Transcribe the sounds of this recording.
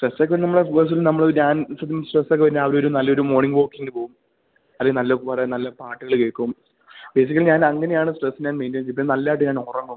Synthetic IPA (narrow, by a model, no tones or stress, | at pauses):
sʈresːoːkːeɐnɨnɐmːɐɭefos̬ilnɐmːɐɭoɲaːnsɐt̪ːisʈresːokːepɐɾnːeɐʋɐɾo̞ɾunɐlːɐo̞ɾumo̞ːɳiŋɡʋo̞ːkːiŋːɐlɨpoːɣum | ɐðːeŋɡɨnɐlːɐokːpɐɾenɐlːɐpaːʈːɨɣɐɭɨkeːkːuum | be̞ːs̬ikʲːɐliɲaːnɐŋːɐnejaːɳɨsʈresːinɲaːnmeːndiɐmt͡ɕeipːnɐlːaːjʈ̬ːɨɲaːnorɐŋːum